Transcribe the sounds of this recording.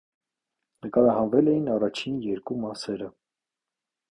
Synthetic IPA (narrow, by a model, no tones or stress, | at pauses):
nəkɑɾɑɦɑnvɛlɛjinɑrɑt͡ʃʰinjɛɾkumɑsɛɾə